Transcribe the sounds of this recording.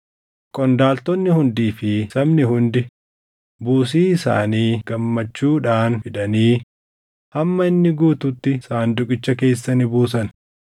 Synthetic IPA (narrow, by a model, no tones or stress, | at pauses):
kʼɔnd̪aːlt̪ɔnːɪhʊnd̪iːfɪsɐbnɪhʊnd̪ɪ | buːsiːɪsa̰ːniːɡ̥ɐmːɐt͡ʃːuːᶑaːnfɪᶑɐniː | hɐmːɐɪnːɪɡuːt̪ʊt̪ːɪsaːnd̪ʊkʼɪt͡ʃːɐke̞ːsːɐnɪbuːsɐn